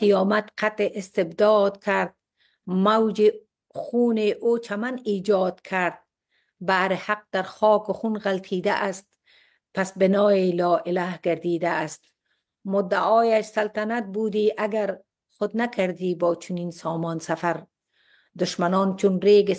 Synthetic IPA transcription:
qijɒːmat̪qʰat̪eʔɪst̪ɪbd̪ɔːd̪kʰaɾd̪̚ | mawd͡ʒi | xuːneʔoːt͡ʃʰamaniːd͡ʒɒːd̪kʰaɾd̪̚ | baːɾɪhaq̚d̪aɾxɔːkʊxunɣalt̪ʰiːd̪aʔast̪̚ | pasbɪnɔːeːlɒːʔɪlahɡaɾd̪iːd̪aːst̪̚ | mʊd̪ːaʔɒːjaʃsalt̪anat̪̚bud̪iːʔaɡaɾ | xʊd̪nakʰaɾd̪iːbɒːt͡ʃʰʊniːnsɔːmɔːnsafaɾ | d̪ʊʃmanɔːnt͡ʃunɾeːɡɪ

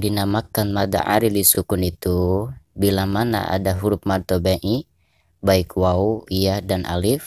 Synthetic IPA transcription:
dinamakanmad̪a̰ʔa̰ɾilisukʊnit̪ubilamana̰ʔa̰daɦuɾʊp̚mart̪obɛʔi | baikwauiadanʔa̰lɪf

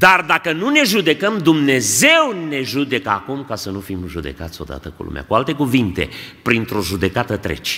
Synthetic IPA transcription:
d̪ard̪akənune̞ʒud̪e̞kəmd̪umne̞ze̞wne̞ʒud̪e̞kəakumkasənufimʒud̪e̞̰kat̪sʲo̞̰d̪a̰t̪əkṵlṵmea̰kualt̪e̞kuvint̪e̞̰pɾint̪ɾo̞ʒud̪e̞kat̪ət̪ɾḛt͡ʃʲ

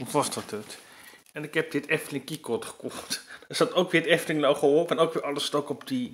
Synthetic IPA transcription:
ənfɑstətət | ɛnɪkɛp̚dɪtɛftəlɪŋkikɔtχə̥kɔχtɪsɑtowkʋɪːətɛftəlɪŋlowχəoːəɛnowkʋɪːɹʔɑləstokɔpdi

